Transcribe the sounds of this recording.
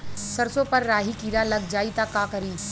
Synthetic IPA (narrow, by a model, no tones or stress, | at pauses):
sɐɾsopɐɾːaːɦikiːɾalɐɡ̚d͡ʒaːit̪akaːkɐɾiː